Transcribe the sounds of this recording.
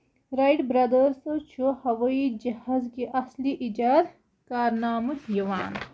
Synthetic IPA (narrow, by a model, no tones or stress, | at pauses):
ɾajʈbɾɐd̪əɾsɨt͡ʃʰuhɐʋɐid͡ʒɐhazkiʔɐsliʔid͡ʒaːd̪ | kaːɾnaːmɨjɐʋaːn